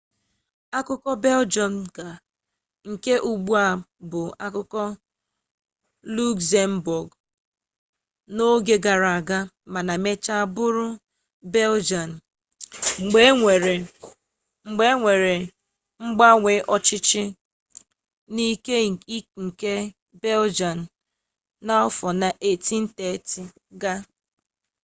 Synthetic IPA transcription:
a˦kʊ˦kɔ˦be˦ld͡ʒɔ˨n̩˨ka˨ | ŋ̩˨ke˦ʔu˨ɡ͡bu˦a˨bʊ˨a˦kʊ˦kɔ˦ | lu˦kse˦m̩˦bʊ˨ɡ | no˦ɡe˦ɡa˨ɾa˨a˨ɡa˦ | ma˨na˨me˦t͡ʃa˦a˦bʊ˦ɾʊ˦ | be˦ld͡ʒa˨n˨ | ŋ͡m̩˨ɡ͡be˦e˨ɾe˨ | ŋ͡m̩˨ɡ͡be˦ŋʷe˨ɾe˨ | ŋ͡m̩˦ɡ͡ba˦ŋʷe˨˦ʔɔ˦t͡ʃɪ˦t͡ʃɪ˦ | ni˦ke˦ŋ̩˨ke˦ | be˦ld͡ʒa˨n̩˨ | na˦ɔ˦fɔ˨na˨ʔe˨ti˦n̩˦te˨˦tɪ˨ | ɡa˦

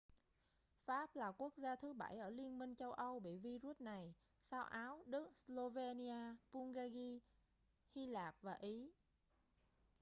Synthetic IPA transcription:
faː˦˥p̚laː˨˩ku˦˥ək̚zaː˧t̪ʰɨ˨˦ɓa˧˩jʔəː˧˩li˧ənmï˧ŋ̟t͡ɕə˧wʔə˧wɓḭ˧˨vi˧zu˦˥t̚na˨˩j | saː˧wʔaː˨˦wɗɨ˦˥k̚slo˧ve˧ni˧aː˧pu˧ŋɣaː˧ɣi˧ | hi˧laː˨˩p̚vaː˨˩ʔi˨˦

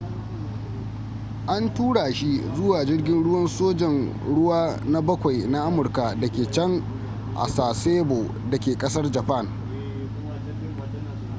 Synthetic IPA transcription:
ʔa˦ntuː˦ɽaː˨ʃi˦zʊ˦waː˨d͡ʒɪ˦rɡʲɪ˦nɽʊ˦wɐ˦nsoː˦d͡ʒɛ˨n | ɽʊ˦waː˦na˦bɐ˦kʷa˨jna˦ʔa˦mʊ˨rka˨dɐ˨kʲeː˨t͡ʃɐ˦ŋ | ʔa̰˨saː˨seː˦boː˨ | dɐ˨kʲeː˨kʼɐ˦sɐ˦rd͡ʒɐ˨pa˦˨n

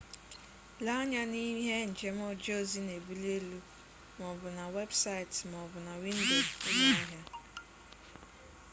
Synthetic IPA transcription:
la˦ɲa˦ni˦ɦe˦n̩˨d͡ʒe˦mɔ˦d͡ʒo˦˨zi˦ne˨bu˦le˦lu˦ | mɔ˨bʊ˨na˨we˦bsa˦i˨tm˨ɔ˨bʊ˨na˨wi˦n̩˦do˨ze˦na˦i˦ɦa˦

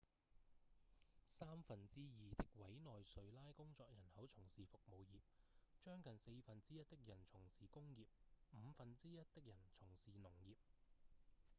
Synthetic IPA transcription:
saː˥mfɐ˨nt͡siː˥jiː˨t̪ɪ˥k̚wɐ˨˥jnɔː˨jsɵ˨˧ɥlaː˥jkʊ˥ŋt͡sɔː˧k̚jɐ˨˩nhɐ˨˥wt͡ʃʰʊ˨˩ŋsiː˨fʊ˨k̚mo˨˧wjiː˨p̚ | t͡ʃœː˥ŋkɐ˨nse˧jfɐ˨nt͡siː˥jɐ˥t̚t̪ɪ˥k̚jɐ˨˩nt͡sʰʊ˨˩ŋsiː˨kʊ˥ŋjiː˨p̚m̩˨˧fɐ˨nt͡siː˥jɐ˥t̚t̪ɪ˥k̚jɐ˨˩nt͡sʰʊ˨˩ŋsiː˨nʊ˨˩ŋjiː˨p̚

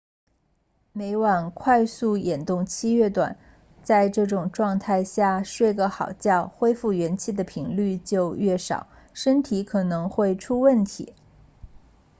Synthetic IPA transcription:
me˧˥ɪwɑ˨˩nkʰwa˥˧ɪsu˥˩jɛ˨˩nt̪ʊ˥˩ŋt͡ɕʰi˥ɥɛ˥˩t̪wa̰˨˩˦n | t͡sa˥˧ɪʈ͡ʂɤ˥˩ʈ͡ʂʊ˨˩ŋʈ͡ʂwɑ˥˧ŋt̪ʰa˥˧ɪɕja˥˩ʂwe˥˧ɪɡə˧xɑ˨˩ʊt͡ɕjɑ˥˩ʊxwe˥ɪfu˥˩ɥɛ˧˥nt͡ɕʰi˥˩d̪ə˩pʰi˧˥ŋly˥˧t͡ɕjo˥˧ʊɥɛ˥˩ʂɑ̰˨˩˦ʊ | ʂə˥nt̪ʰi˧˥kʰɤ˨˩nɤ˧˥ŋxwe˥˩ɪʈ͡ʂʰu˥wə˥˩nt̪ʰḭ˧˥

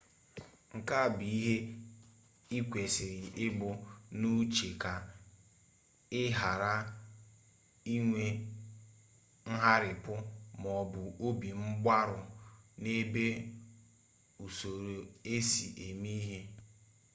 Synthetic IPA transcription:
ŋ̩˨ka˦˨bi˨i˦ɦe˦ | i˦kʷe˨sɪ˨ɾɪ˨ɪ˦ɡ͡bʊ˨nu˦t͡ʃe˨ka˨ | ɪ˦ɦa˨ɾa˦ | i˦ŋʷe˦ | ŋ̩˦ɦa˦ɾɪ˨pʊ˦mɔ˨bʊ˨o˦bi˨m̩˦ɡ͡bʷa˦ɾʊ˨ne˦be˦ | u˨so˨ɾo˨e˦sḭ˨ʔe˨mi˦ɦe˦

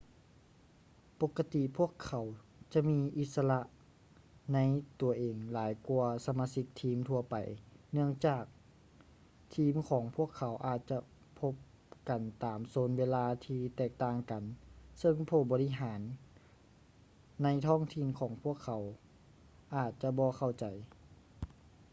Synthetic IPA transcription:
po˧˥kːa˧t̪i˧˨pʰu˥˩əkʰːa˨˩˦wt͡ɕa˧˦ʔmiː˧˥ʔi˧˦t̪̚sa˧la˧ʔ | na˧˥jt̪u˨˩ɐʔeː˨ŋlaː˩˦jku˧ɐsa˧maː˧˥si˧˥k̚t̪ʰiː˧˥mt̪ʰu˧ɐpa˨˩jnɯ˥˩əŋt͡ɕaː˨˩k̚ | t̪ʰiː˧˥mkʰɔː˩˦ŋpʰu˥˩əkʰːa˨˩˦wʔaː˨˩t̪̚t͡ɕa˧ | pʰo˧˥p̚ | ka˨˩nt̪aː˨˩msoː˨˦nweː˧laː˧t̪ʰiː˧t̪ɛː˧˨˩k̚t̪aː˧˩ŋka˨nsɤ˧ŋpʰoː˧˩bɔː˧li˦˧˥ɦaː˩˦n | a˧˥jt̪ʰɔː˧˥˩ŋt̪ʰi˧˥˨nkʰɔː˩˦ŋpʰu˥˩əkʰːa˨˩˦w | ʔaː˨˩t̪̚t͡ɕa˧bɔː˧xa˧˩wt͡ɕa˨˩j

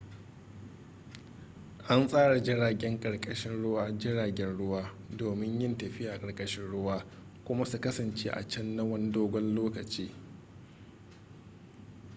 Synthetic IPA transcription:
ʔa˦nsʼaː˦ɽa˨d͡ʒɪ˦ɽaː˨ɡʲɛ˦ŋkʼɐ˨ɽkʼɐ˦ʃɪ˦nɽʊ˦waː˦d͡ʒɪ˦ɽaː˨ɡʲɛ˦nɽʊ˦waː˦ | doː˨mɪ˦ɲjɪ˦ntɐ˨ɸɪ˦ja˨kʼɐ˨ɽkʼɐ˦ʃɪ˦nɽʊ˦waː˦ | kʷʊ˦ma˦su˨kɐ˦sɐ˨nt͡ʃḛː˦ʔa̰˨t͡ʃɐ˦nːɐ˦wɐ˦n˦doː˦ɡʷɔ˦nloː˦kɐ˨t͡ʃiː˦

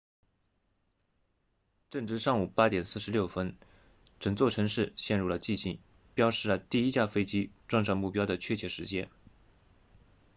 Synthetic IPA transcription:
ʈ͡ʂɤ˥˩ŋʈ͡ʂɻ̩˥˧ʂɑ˥˩ŋu˨˩pa˥t̪jɛ˨˩nsɹ̩˥˩ʂɻ̩˧˥ljo˥˩ʊfə˥n | ʈ͡ʂɤ˨˩ŋt͡swɔ˥˩ʈ͡ʂʰɤ˧˥ŋʂɻ̩˥˩ɕjɛ˥˧nɻu˥˩lə˩t͡ɕi˥˧t͡ɕʰi˥˩˦ŋ | pjɑ˥ʊʂɻ̩˥˩lə˩t̪i˥˧i˥t͡ɕja˥˩fe˥ɪt͡ɕi˥ʈ͡ʂwɑ˥˧ŋʂ̬ɑ˥˧ŋmu˥˩pjɑ˥ʊd̪ə˨t͡ɕʰɥɛ˥˩t͡ɕʰjɛ˧˥ʂɻ̩˧˥t͡ɕjɛ˥n

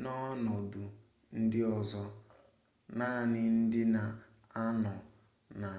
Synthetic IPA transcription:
nɔ˦nɔ˨du˨ | n̩˦dɪ˦ɔ˨zɔ˦ | naː˦˨nɪ˦n̩˦dɪ˦na˨ | a˦nɔ˨ | na˨

